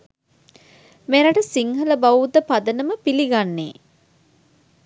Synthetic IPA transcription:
meɾaʈəsiŋɦələbaʋud̪əpad̪ənəməpiliɡanːeː

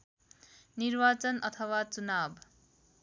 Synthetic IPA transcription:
niɾbat͡ʃʌnʌt̪ʰʌwat͡ʃunab

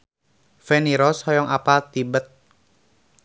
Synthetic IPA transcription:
fɛniɾɔshɔjɔŋapat̪ibət̪̚

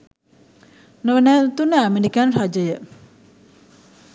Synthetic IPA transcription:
nəʋənæːt̪unːəæmeɾikanrad͡ʒəjə

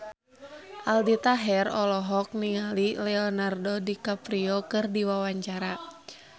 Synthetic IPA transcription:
ʔaldit̪aɦɛrɔlɔɦɔk̚niŋalilɛɔnardɔdikapɾiɔkɨrdiwawaɲt͡ʃaɾa

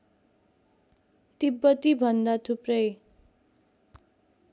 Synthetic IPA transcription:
t̪ibːʌt̪ibʱʌnd̪at̪ʰuprʌj

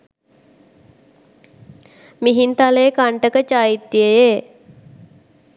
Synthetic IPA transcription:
miɦint̪aleekaɳʈəkət͡ʃaːjit̪ːjəje

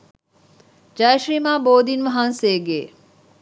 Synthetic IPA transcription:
d͡ʒajʃɾiːmaːboːd̪inʋɐɦanseːɡeː

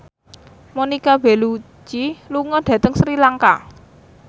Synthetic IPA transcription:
monikab̥e̤lu | t͡ʃiluŋɔɖ̥ä̤t̪əŋsɾilaŋka

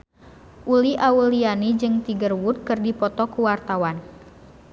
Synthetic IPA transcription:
ʔuliʔaulianid͡ʒɨŋt̪iɡərwud̪̚kɨrdipɔt̪ɔkuwart̪awan

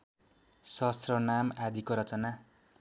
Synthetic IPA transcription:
sʌst̪rʌnamad̪ʱikoɾʌt͡sʌna

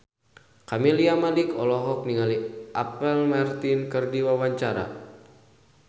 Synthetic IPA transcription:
kamiliamalikɔlɔɦɔk̚niŋaliʔapɛlmart̪inkɨrdiwawaɲt͡ʃaɾa̰

